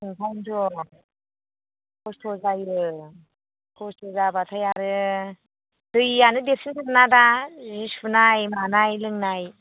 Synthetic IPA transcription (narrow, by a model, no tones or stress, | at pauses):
ɯŋpʰajntʰɔ | kʰɔstʰɔzajɯ | kʰɔstʰɔzabatʰajaɾɯ | dɯjanɯdepsʰintʰɯɾnadazispunajmanajlɯŋnaj